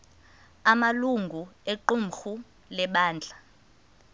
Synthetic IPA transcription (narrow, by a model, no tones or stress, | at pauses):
amaluŋɡʱueǃum̩xu | lɛɓaːnd͡ɮʱa